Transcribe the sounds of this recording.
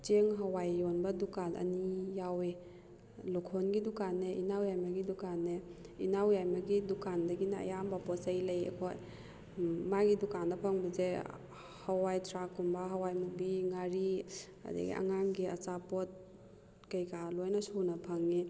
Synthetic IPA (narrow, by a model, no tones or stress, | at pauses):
t͡ʃeŋɦɐwajonbɐdukalɐ̰nijawe | lukʰonɡidukanːeʔinawjajmɐɡidukanːe | inawjajmɐɡidukandɐɡinɐ̰ːjambɐpɔsɐjlɐjḛkʰoj | maɡidukandɐpʰɐŋbɐze | hɐwajtʰɾakːumbɐɦɐwajmubiŋaɾi | ɐ̰dḭɡḭʔɐ̰ŋaŋɡiɐt͡ʃapot̚ | kɐjkalojnɐsunɐpʰɐŋːi